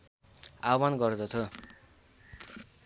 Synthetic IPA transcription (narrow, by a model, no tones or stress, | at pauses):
abanɡʌrd̪ʌt͡sʰʌ